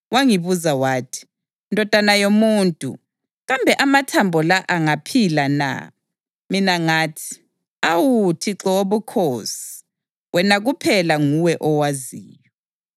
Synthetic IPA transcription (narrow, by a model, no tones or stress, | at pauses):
waŋiβuzawaːtʰi̥ | ndʱɔd̥ʱanajomuːntʼṵ | ɣambʱɛʔamatʰambʱɔlaʔaŋapʰilana̰ | minaŋaːtʰi̥ | awutʰiǁɔoβukʰosi̥ | wʔɛnaɣupʰɛlaŋuwɛʔɔwaziːjɔ